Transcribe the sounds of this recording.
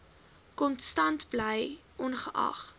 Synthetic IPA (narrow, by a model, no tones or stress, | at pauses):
kɔnstɐntbləjʔɔnχəʔɐ̰χ